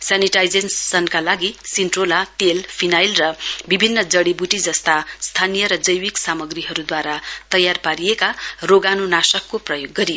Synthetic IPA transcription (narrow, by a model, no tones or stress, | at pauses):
saniʈajd͡zensːʌnkalaɡisinʈrolat̪elpʰinajlrʌbibʱinːʌd͡zʌɽibuʈid͡zʌst̪ast̪ʰanijʌɾʌd͡zʌjwiksamʌɡriɦʌɾud̪waɾat̪ʌjarpaɾijekaroɡanunasʌkːoprʌjoɡːʌɾijo